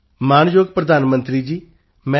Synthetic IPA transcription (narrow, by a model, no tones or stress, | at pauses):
maːnjoːɡpɾəd̪aːnmə̃nt̪ɾiːd͡ʒiː | mɛ̃